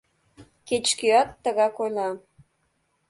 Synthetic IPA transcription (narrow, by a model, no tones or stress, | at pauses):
ket͡ɕkyɑt̪ːəɣɑkojlʲɑ